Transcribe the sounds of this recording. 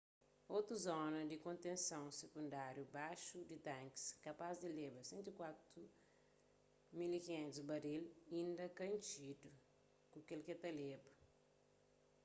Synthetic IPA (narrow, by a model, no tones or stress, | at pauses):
ot̪ɾuzɔnɐd̪ikõnt̪ẽnsɐ̃w̃sekũnd̪aɾjubaʃud̪it̪ãŋki̥skɐpazd̪ilebɐsẽnt̪ikwat̪ɾu | milikiẽnt̪uzbɐɾilĩnd̪ɐkɐ̃nt͡ʃid̪u | kukelket̪ɐlebɐ